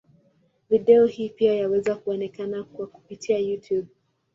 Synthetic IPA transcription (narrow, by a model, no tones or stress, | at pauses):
viɗɛɔhiːpiajawɛzakuɔnɛkanakwaku̥pitʰiajutʰjub̚